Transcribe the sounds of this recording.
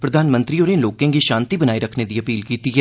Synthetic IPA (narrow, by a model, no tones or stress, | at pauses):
pɾəd̪ʱaːnmə̃nt̪ɾiːoːɾẽnloːkẽːɡiːʃãːnt̪ibənaːiɾəkʰned̪iːəpiːlkiːt̪iːɦɛː